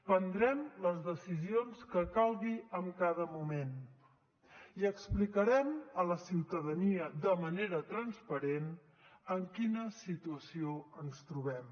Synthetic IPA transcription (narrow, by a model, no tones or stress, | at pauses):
pənd̪ɾɛmləzðəsizionskəkalˠɣiəmkaðəmumen | iəksplikəɾɛmələsiwt̪əðəniəd̪əməneɾət̪ɾənspəɾen | əŋkinəsit̪uəsioənst̪ɾuβ̞ɛm